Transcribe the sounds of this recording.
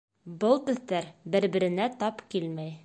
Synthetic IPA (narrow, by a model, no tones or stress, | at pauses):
bɤlˠt̪ɵ̆ðːæɾbɘ̆ɾbɘ̆ɾɘ̆næt̪ɑpkilmæj